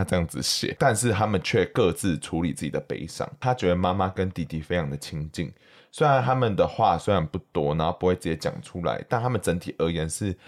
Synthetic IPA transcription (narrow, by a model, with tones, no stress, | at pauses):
a˥ʈ͡ʂɤ˥˧jɑ˥˩ŋd͡zɹ̩˨˩ɕjɛ̰˨˩˦t̪a˥˧nʂ̬ɻ̩˥˩t̪ʰa˥mə˨nt͡ɕʰɥɛ˥˩kɤ˥˧t͡sɹ̩˥˩ʈ͡ʂʰu˧˦li˨˩t͡sɹ̩ɨ˥˩t͡ɕḭ̥˨˩ə˩pḛ˧˥ɪʂɑ̰˨˩˦ŋt̪ʰa˦t͡ɕɥɛ˦˩d̪ə˨˩ma˦ma˦kə˦nt̪i˥˩t̪i˥˩fe˥ɪjɑ˧˨˩ŋd̪ə˨˩t͡ɕʰi˧˥ŋt͡ɕḭ˥˩ŋ | swe˥ɪɻa˧˦nt̪a˥mə˨nd̪ə˩xwa˥˨swe˥ɪɻa˧˦npu˥˩t̪wɔ˦na˧˦o˥˩pu˧˥we˥˩ɪt͡s̩ɨ˥˩t͡ɕjɛ˧˥t͡ɕjɑ̰˨˩ŋʈ͡ʂʰu˦˥la̰˧˦ɪt̪a˥˩nt̪ʰa˥mə˨nʈ͡ʂə˧˦˥nt̪ʰi˨˩ʔə˧˥jɛ˧˦nʂɻ̩˥˩